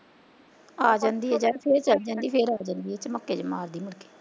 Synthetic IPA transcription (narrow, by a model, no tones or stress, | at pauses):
aːd͡ʒãːnd̪iːɦɛːd͡ʒaːpʰeːɾt͡ʃəld͡ʒãːnd̪iːpʰeːɾaːd͡ʒãːnd̪iːɛːt͡ʃəməkːeːd͡ʒəmaːɾd̪iːmɪɽke̥ː